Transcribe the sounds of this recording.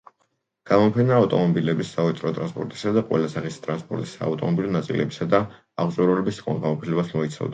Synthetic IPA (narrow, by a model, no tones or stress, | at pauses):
ɡ̥amɔpʰɛnaːft̪ʼɔmɔbilɛbisːaɔt̪ʼɾɔt̪ʼɾanspʼɔɾt̪ʼi̥sad̪aqʼwɛ̰lasaχist̪ʼɾanspʼɔ̰ɾt̪ʼi̥sa̰ːft̪ʼɔmɔbilɔnat̪sʼḭlɛ̰bisad̪aː | ʁzʼuɾɔlɛbisχʼa̰nʁamʼɔpʰilɛbasmɔit̪sʰa̰vd̪a